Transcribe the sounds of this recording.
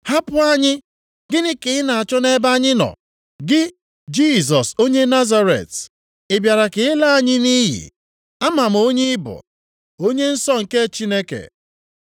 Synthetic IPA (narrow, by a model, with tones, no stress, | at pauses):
ha˦pʊ˦a˦ɲɪ˦ | ɡɪ˦nɪ˦kɪ˨ɪ˦na˨a˨t͡ʃɔ˦ne˦ba˦ɲɪ˦nɔ̰˨ | ɡɪ˦ | d͡ʒi˦zɔ˨so˦ɲe˦na˦za˦ɾḛ˨t | ɪ˨bja˨ɾa˨kɪ˨˦ɪ˦la˦a˦ɲɪ˦ni˦ɦḭ˨ | a˦ma˨m̩˨o˦ɲe˦ɪ˦bʊ̰˨ | o˦ɲe˦n̩˦sɔ˦ŋ̩˨ke˦t͡ʃi˦ne˦kḛ˨